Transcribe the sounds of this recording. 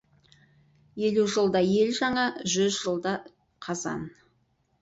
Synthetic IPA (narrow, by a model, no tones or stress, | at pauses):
je̞luʒəlˠd̪ɑje̞lʒɑɴɑʒʏzʒəlˠd̪ɑ | qʰɑzɑ̰n